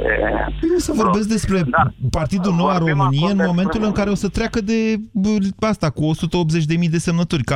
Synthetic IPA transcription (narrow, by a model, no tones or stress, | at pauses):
ḛiosəvo̞rbe̞s̬k̚d̪e̞spɾe̞part̪id̪uno̞waro̞mɨnijeɨnmo̞me̞nt̪ulɨŋkaɾe̞o̞sət̪ɾʲakəd̪e̞ | ast̪akuo̞sut̪əopzet͡ʃʲd̪e̞mijd̪e̞se̞mnət̪urʲk